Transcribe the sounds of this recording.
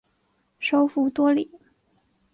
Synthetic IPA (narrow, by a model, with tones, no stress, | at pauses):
ʂo˥ʊfu˧˥t̪wɔ˥li˨˩˦